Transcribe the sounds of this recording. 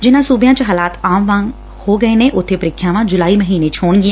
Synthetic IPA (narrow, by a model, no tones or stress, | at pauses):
d͡ʒɪnãːsuːbjãːt͡ʃɦaːlaːt̪aːmʋãːŋ | hoːɡəeːneːʔʊt̪ʰːeːpəɾɪkʰːjãːʋãːd͡ʒʊlaːiːməɦiːneːt͡ʃʰɦoːɳɡɪ̃